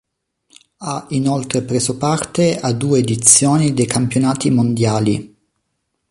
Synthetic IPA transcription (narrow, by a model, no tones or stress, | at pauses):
ainolt̪ɾepɾeːzopart̪ead̪uːeːd̪it̪sjoːnid̪ejkʰampjonaːt̪imond̪jaːli